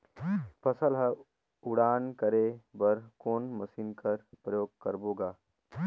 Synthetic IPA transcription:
pʰɐsəlɦɐ | ʊɽaːnkɐɾebɐɾkoːnmɐsiːnkɐɾpɾəjoːɡ̚kɐɾboːɡaː

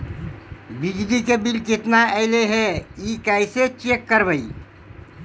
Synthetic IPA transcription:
bid͡ʒd̪ikebilkɪt̪naɛɪleɦɛikɛjset͡ʃekːəɾbəi

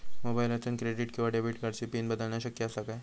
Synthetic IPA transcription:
moːbaːɪlɐt͡ʃənkɾeːɖɪʈkeʋaɖebiʈɡɐɾsepiːnbɐd̪əlnaʃɐkːjasɐkaː

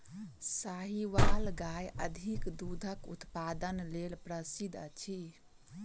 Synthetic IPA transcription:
saɦiʋalɡajəd̪ʱikd̪ud̪ʱəkṵt̪pad̪ənlelpɾəsid̪ʱə̰t͡ʃʰi

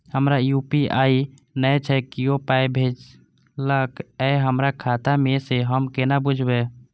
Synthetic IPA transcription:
həmɾajupiʔai | nəjt͡ʃʰɛkiopajbʱed͡ʒ | ləkɛɦəmɾakʰat̪ameseɦəmkenabud͡ʒʱbe

